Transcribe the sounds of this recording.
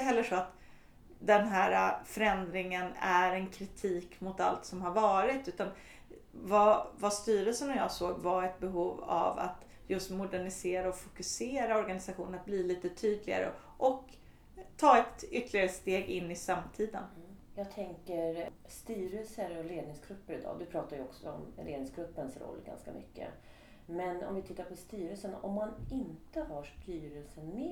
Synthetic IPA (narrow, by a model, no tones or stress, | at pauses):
t̪əɦɛlːəʂɔat̪ | d̪ɛnɦæːɾafœɾɛnd̪ɾɪŋənæɾɛnkʰɾɪt̪ʰiːkmʊt̪alt̪sɔmhaɾvɑːɾɪt̪ʉ̟ːt̪an | vavast̪yːɾəlsənɔjɑ̰ːsoːɡvaɾɛt̪̚bɛɦuːva̰va̰t̪ | jɵst̪mʊd̪æɳɪseːɾaɔfʊ̥kɵseːɾaɔɾɡanɪsaɧuːnnat̪̚bliːliːt̪ət̪ʰyːd̪lɪɡa̰ɾə̰ | ʔɔk̪ʰː | ɑːɛt̪ʏt̪ːəɭɪɡaɾəst̪eːɡɪnːɪsamt̪ʰiːd̪ə̰njɑːɡ̚t̪ʰɛŋkəɾ | st̪yːɾəlsəɾɔleːd̪nɪŋsɡɾɵpːəɾɪd̪ɑ̰ːd̪ɵpʰɾɑːt̪aɾjəɔksɔɔmleːd̪ɪŋsɡɾɵpːənsɾɔ̰lːɡa̰nskamʏ̰kːə̰ | mɛnɔ̰mvɪt̪ʰɪt̪ːaɾpʰɔst̪yːɾəlsənɔ̰mːanɪnt̪əhaʂt̪yːɾəlsənme